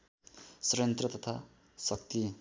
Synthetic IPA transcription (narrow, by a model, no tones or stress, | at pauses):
sʌɾjʌnt̪ɾʌt̪ʌt̪ʰa | sʌk̚t̪i